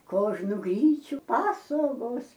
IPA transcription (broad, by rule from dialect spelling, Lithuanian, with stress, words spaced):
ˈkoːʒnʊ ˈɡrʲiːt͡ʃʲʊ ˈpɑːsoːɡoːs